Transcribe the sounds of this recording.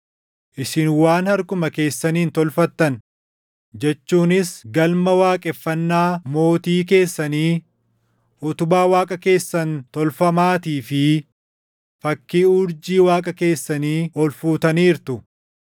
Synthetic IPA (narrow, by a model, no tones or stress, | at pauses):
ʔɪsɪnwaːnhɐɾkʊmɐke̞ːsːɐniːnt̪ɔlfɐt̪ːɐn | d͡ʒɛt͡ʃːuːnɪsɡɐlmɐwaːkʼɛfːɐnːaːmo̞ːt̪iːk̬e̞ːsːɐniː | ʔɔt̪ʊbaːwaːkʼɐke̞ːsːɐnt̪ɔlfɐmaːt̪iːfɪ | fɐkːiːʊɾd͡ʒiːwaːkʼɐke̞ːsːɐniːɔlfuːt̪ɐniːɾt̪ʊ